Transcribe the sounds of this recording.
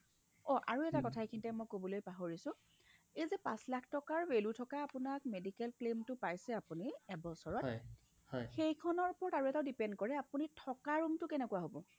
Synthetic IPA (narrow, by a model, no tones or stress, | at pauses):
ɔʔa̰ɹuɛtakɔtʰaekʰintɛmɔjkobɔlojpaɦoɹisʊ̃ | ejzɛpãslakʰtɔkaɹwelutʰɔkaːpʊnak̚medikɛlklemtʊpajsɛapuniɛbɔsɔɹɔtj | hɔjxejkʰɔnɔɹpɔɹaɹuɛtaʊdipɛndkɔɹɛapunitʰɔkaɹumtʊkɛnɛkwaɦobɔ